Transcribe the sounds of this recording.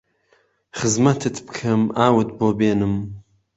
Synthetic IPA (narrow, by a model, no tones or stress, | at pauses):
χɨzmɐt̪ʰɨt̪ʰbkʰɐmaːwɨt̪boːbeːnɨm